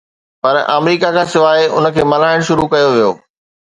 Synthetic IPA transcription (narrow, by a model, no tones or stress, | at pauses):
pɐɾa̰ːmɾiːkakʰãːsɪʋaːeʔʊ̰nə̆kʰeːmɐl̤aːɪɽ̃ʃʊɾukɐjoʋijoː